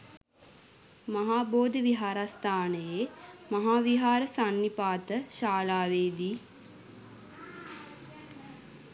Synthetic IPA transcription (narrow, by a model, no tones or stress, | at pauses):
mɐɦaːboːd̪ʱəʋiɦaːɾast̪aːnəjemaɦaːʋiɦaːɾəsanːipaːt̪əʃaːlaːʋeːd̪i